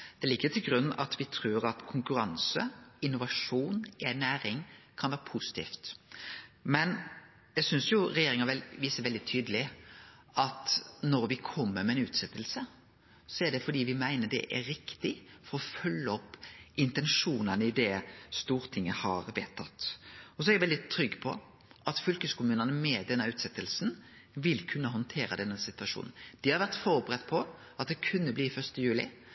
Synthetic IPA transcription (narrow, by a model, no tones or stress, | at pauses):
d̪̥ɛlɪɡːət̪ʰɪlɡɾʉnːɑt̪ʋɪt̪ʰɾʉːɾɑt̪kʰʊŋkʉɾɑnsə̰ɪnʊʋɑʂuːnɛnæːɾɪŋkʰɑnʋæːɾəpʰʊsɪ̥t̪ʰḭːft̪ | mɛn | jæɪsʏnsjʊɾɛjeːɾɪŋɑɛʋiːsəʋɛld̪ɪt̪ʰyːd̪əlɪ | ʔɑt̪nɔɾʋɪkʰɔmːəɾmɛɛnʉːt̪sɛt̪ːəlsə | sɔæɖɛfɔɖ̪iːʋɪmæɪnəɖ̪ɛ̰ʔæɾɪkt̪ɪfɔɾɔfœlːəɔpːɪnt̪ɛnʂuːnənəɪd̪ɛst̪uːɾt̪ʰɪŋːəhɑɾʋeːt̪ʰːɑt̪ːɔs̬ɔɛɾjɛʋɛlɪt̪ʰɾʏɡːpʰɔ̰ | ʔɑt̪fʏlkəskʊmʉːnənəmɛd̪ɛnːəʉːt̪sɛt̪ːəlsn | ʋɪlkʰʉnːəɦɔnt̪ʰeːɾəd̪ɛnːəsɪt̪ʉʋɑʂṵːnn̩d̪ɪhɑɾʋæʁt̪fɔːɾbəɾɛt̪ːpʰɔ | ɑt̪̚d̪ɛkʰʉnːəbliːfœʁst̪əjʉːlɪ̰